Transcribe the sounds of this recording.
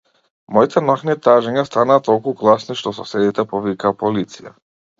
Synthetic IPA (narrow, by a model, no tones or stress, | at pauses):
mɔit̪ʰɛnɔxnit̪aʒɛɲast̪anaːt̪ɔlˠkuɡlˠasniʃt̪ɔsɔsɛd̪it̪ɛpɔvikaːpɔlit̪sija̰